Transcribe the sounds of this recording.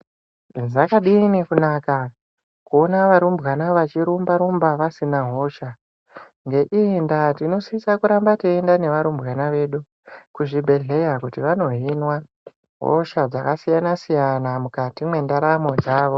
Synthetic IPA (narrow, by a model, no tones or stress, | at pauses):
zakaɗinekunaːka | kuonaʋaɾumbɣanaʋat͡ʃiɾumbaɾumbaʋasinaɦo̞ːʃa | ŋɡe̞ʔindatino̞siisakuɾambatiendane̞ʋaɾumbɣanaʋe̞ːɗu | kuʐibʱe̞ɮe̞jakutiʋano̞ɦinwa | ɦo̰ʃad͡zakasijanasijanamukatimwe̞ndaɾamo̞d͡zaːʋo̞